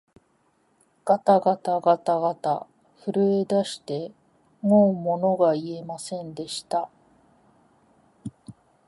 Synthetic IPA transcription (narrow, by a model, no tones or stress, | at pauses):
ɡ̥at̪aɡat̪aɡat̪aɡat̪a̰ | ɸɯ̟ɾɯ̟e̞d̪aɕi̥t̪e̞ | ŋoːmo̞no̞ɡaie̞masẽ̞nd̪e̞ɕi̥t̪a